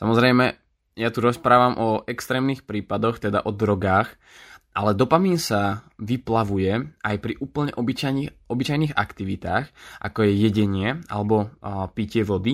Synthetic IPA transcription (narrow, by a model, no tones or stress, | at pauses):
sa̰mɔzɾɛjmɛ | jat̪uɾɔspɾaːʋamʔɔɛkst̪ɾɛːmniːxpɾiːpad̪ɔxt̪ɛd̪a̰ʔɔd̪ɾɔɡaːx | ʔalɛd̪ɔpamiɲsaʋiplaʋujɛajpɾiʔuːpl̩ɲɛ̰ʔɔbit͡ʃajɲiɔbit͡ʃajniːɣa̰kt̪iʋit̪aːxʔa̰kɔjɛjɛɟɛɲɪɛa̰lɛbɔpicɪɛʋɔd̪i